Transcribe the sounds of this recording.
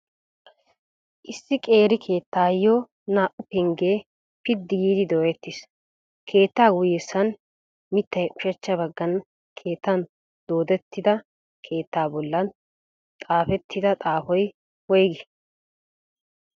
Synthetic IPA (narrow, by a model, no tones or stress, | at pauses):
ʔɪsːɪkʼe̞ːɾɪkʰe̞ːt̪ːaːjːoː | naːʔʊpɛŋɡeː | pɪd̪ːɪɡiːd̪ɪd̪oːjɛt̪ːɪs | kʰe̞ːt̪ːaːɡʊjɛsːɐn | mɪt̪ːɐjʔʊ̥ʃɛt͡ʃːɐbɐɡːɐn | kʰe̞ːt̪ːɐn | d̪̥o̞ːd̪ɛt̪ːɪd̪ɐ | kʰe̞ːt̪ːaːbɔlːɐn | t̪ʼaːfɛt̪ʰːɪd̪ɐt̪ʼaːfɔj | wɔjɡɪ